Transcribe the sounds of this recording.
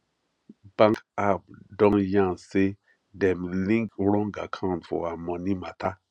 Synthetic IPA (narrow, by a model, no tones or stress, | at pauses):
b̥ãŋkap̚dɔ̃njãnse | dɛ̃mlĩŋkɾɔ̃ŋɡa̰kʰãʊ̃ntfɔ̰amɔ̃nimatʰa